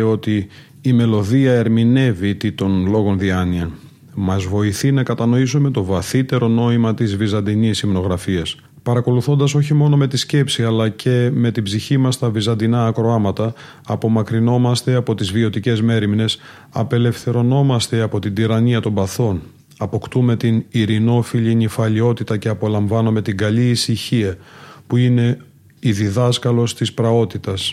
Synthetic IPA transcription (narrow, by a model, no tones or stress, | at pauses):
o̞t̪iː | me̞lo̞ðiɐe̞ɾmine̞vit̪it̪o̞nlo̞ɣo̞nðiɐniɐ | mɐzvo̞iθinɐkɐt̪ɐno̞isume̞t̪o̞vɐθit̪e̞ɾo̞no̞imɐt̪izvizɐnd̪inisimno̞ɣɾɐfiɐs | pɐɾɐko̞luθo̞nd̪ɐso̞çimo̞no̞me̞t̪isce̞psiɐlɐce̞me̞t̪ibziçimɐst̪ɐvizɐnd̪inɐːkɾo̞ɐmɐt̪ɐː | po̞mɐkɾino̞mɐst̪e̞ɐpo̞t̪izvio̞t̪ice̞zme̞ɾimne̞s | ɐ̰pe̞le̞fθe̞ɾo̞no̞mɐst̪e̞ɐpo̞t̪ind̪iɾɐniɐt̪o̞mbɐθo̞n | ɐpo̞kt̪ume̞t̪iniɾino̞fiʎinifɐʎio̞t̪it̪ɐce̞ɐpo̞lɐɱvɐno̞me̞t̪iŋɡɐʎiːsiçiɐpuine̞ | iðiðɐskɐlo̞st̪ispɾɐo̞t̪it̪ɐs